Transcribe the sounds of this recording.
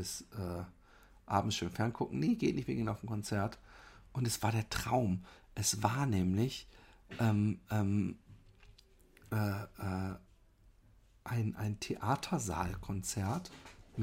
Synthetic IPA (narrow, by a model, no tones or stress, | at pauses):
ɪsʔɛː | ʔaːbm̩tʃøːnfɛɐnkʰʊkŋ̩neɡeːtnɪçtviɐɡɪŋaʊfm̩kʰɔnt͡sɛɐtʔʊntɛsv̥aːɐɾeːɐtʁ̥aʊmʔɛsv̥aːɐnɛːmlɪçʔɛːmʔɛːm | ʔɛːʔɛː | ʔaɪnʔa̰ɪntʰeʔaːtʰɐza̰ːlkʰɔnt͡sɛɐtm